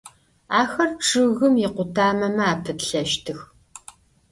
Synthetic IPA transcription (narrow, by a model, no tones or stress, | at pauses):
aːxɐrʈ͡ʂʼɨɣɨmjɪqʷʊtʰaːmɐmɐaːpʰɨtɬɐʃtʰɨx